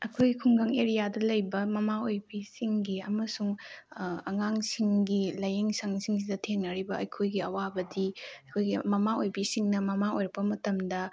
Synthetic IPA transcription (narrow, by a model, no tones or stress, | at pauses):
ɐkʰojɡikʰuŋɡɐŋeɾijadɐlɐjbɐmɐmaojbisiŋɡiɐmɐsuŋ | ɐŋaŋsiŋɡilɐjeŋsaŋsiŋsidɐtʰeŋnɐɾibɐɐjkʰojɡiɐwabɐdiɐkʰojɡimɐmaojbisiŋnɐmɐmaojɾɐk̚pːɐmɐtɐmdɐ